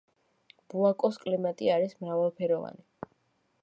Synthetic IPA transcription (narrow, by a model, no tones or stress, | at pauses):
b̥uakʼɔskʼlimat̪ʼiaɾismɾavalˠpʰɛɾɔva̰ni